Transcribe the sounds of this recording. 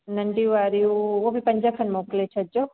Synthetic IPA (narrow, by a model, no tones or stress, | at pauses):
nɐɳɖiʋaɾiuʋoblipɐɲd͡ʒakʰɐnmoklet͡ʃʰɐd͡ʒo